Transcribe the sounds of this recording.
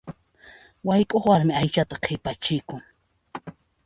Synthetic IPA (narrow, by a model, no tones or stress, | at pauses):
wajkʼoχwaɾmɪajt͡ʃat̪aqʰɪpat͡ʃɪkʊŋ